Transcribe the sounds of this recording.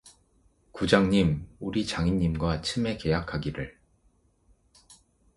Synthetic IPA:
kud͡ʑaŋɲimuɾit͡ɕaŋiɲːimɡwat͡ɕʰɯme̞ke̞jakʰaɡiɾɯɭ

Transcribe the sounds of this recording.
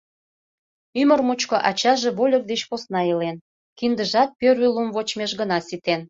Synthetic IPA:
ymərmut͡ɕkoʔɑt͡ɕɑʒeβolʲərd̪et͡ɕposnɑelen | kind̪əʒɑt̪̚pøɾylumvot͡ɕmeʃɣənɑsit̪en

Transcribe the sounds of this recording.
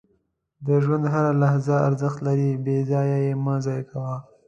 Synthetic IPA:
d̪əʒwand̪ɦaɾalahzaaɾzəxt̪laɾibezɑjajemɑzɑjakʰawa

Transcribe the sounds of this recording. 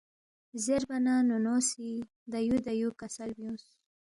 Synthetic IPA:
zeɾbananunosi | d̪ajud̪ajukasalbjũs

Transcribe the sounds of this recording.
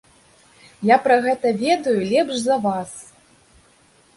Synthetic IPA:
japɾɐɣɛt̪ɐvʲɛd̪ɐjulʲɛpʂzɐvas

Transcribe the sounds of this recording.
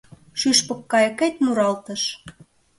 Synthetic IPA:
ʃyʃpɤ̆kːɑjə̆ket̪muɾɑlt̪əʃ

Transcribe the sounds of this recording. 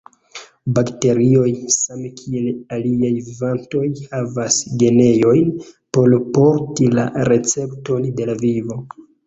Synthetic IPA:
bakte̞ɾio̞jsamkʰie̞laliajvivanto̞jhavasɡe̞ne̞jo̞jnpo̞lpo̞ɾtila̰ɾe̞t͡se̞pto̞ndelavivo̞

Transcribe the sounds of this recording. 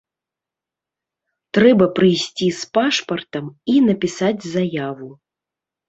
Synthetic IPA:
t̪ɾɛbɐpɾɨjsʲt͡sʲispaʂpɐrt̪ɐminɐpʲisad͡zʲzajavu

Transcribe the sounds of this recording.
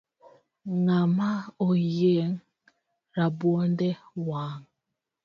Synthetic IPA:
ŋamaojeŋ | ɾabwondewaːŋ

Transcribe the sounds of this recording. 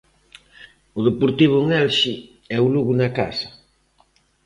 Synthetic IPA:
ʊðepoɾt̪iβ̞ʊŋɛlʃi | ɛʊluɣʊnaka̰sɐ

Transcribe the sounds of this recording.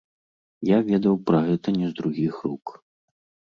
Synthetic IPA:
javʲɛd̪ɐwpɾɐɣɛt̪ɐnʲɛzd̪ɾuɣʲixɾuk

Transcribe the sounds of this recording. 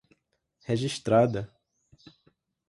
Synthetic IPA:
heʒiʃt̪ɾad̪ɐ

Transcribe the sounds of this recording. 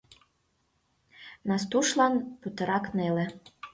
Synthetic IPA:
nɑs̬t̪uʃlɑnput̪ɤɾɑknelĕ

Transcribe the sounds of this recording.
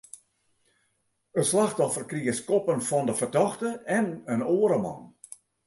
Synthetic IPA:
əslaxtɔfərkriəskɔpənfɔndəfərdɔxtəɛnənoːəɾəmɑ̰n

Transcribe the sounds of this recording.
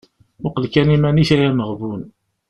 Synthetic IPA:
ʊqəlkænimæniçæjæməʁvun

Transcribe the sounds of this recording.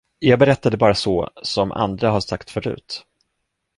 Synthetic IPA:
jɑːɡ̚bɛɾɛt̪ːad̪əbɑːɾasɔsɔmʔa̰nd̪ɾaɦaʂakt̪fœɾʉ̟̰ːt̪

